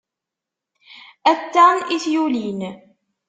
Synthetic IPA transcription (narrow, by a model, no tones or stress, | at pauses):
æt̪ːaniθjulin